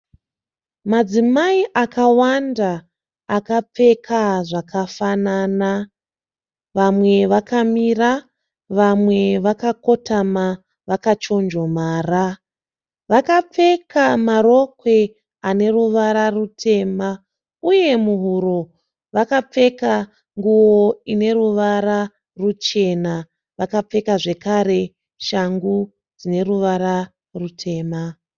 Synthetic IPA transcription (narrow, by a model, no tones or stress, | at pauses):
mad͡zimaiʔakawandaː | kap͡fe̞kʰaʐakʰafanaːna | ʋamwe̞ʋakamira | ʋamwe̞ʋakako̞tʰama | ʋakat͡ʃo̞nd͡ʒo̞maːra | ʋakap͡fe̞kamaro̞kwe̞ | ane̞ruʋaɾarutʰe̞ma | uje̞muɦuɾo̞ | ʋakap͡fe̞ka | ŋɡuwo̞ine̞ruʋaɾa | rut͡ʃe̞na | ʋakap͡fe̞kaʐe̞kaɾe̞ | ʃaŋɡu | d͡zine̞ruʋaɾa | rutʰe̞ːma